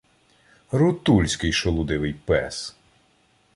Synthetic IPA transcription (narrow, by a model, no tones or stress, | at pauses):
ɾʊt̪ulʲsʲkɪjʃɔlˠʊd̪ɪʋɪjpɛs